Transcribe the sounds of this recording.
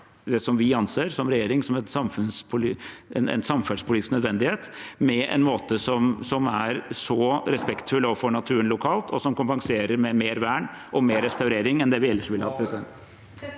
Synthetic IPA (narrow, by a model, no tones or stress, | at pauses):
d̪ɛsɔmʋɪɑnseːɾsɔmɾɛjeːɾɪŋsɔmɛnsɑmfʉnspʰʊlɛ̰nɛ̰nsɑmfæspʰʊliːɪsnœd̪ʋɛnd̪ɪheːt̪mɛɛ̰nmoːt̪əsɔmsɔmæɾsɔɾɛspɛkt̪fʉloːʋəfɔɳɑt̪ʰʉːənlʊkʰɑːlt̪ʰɔsɔmkʊmpɑŋseːɾəɾmɛmeːɾʋæːɳ | ʔɔmeːɾɛst̪ɑʉɾeːɾɪŋɛnd̪ɛʋɪɛlːəʂʋɪlhɑ̰ːpʰɾɛsɪd̪ɛnt̪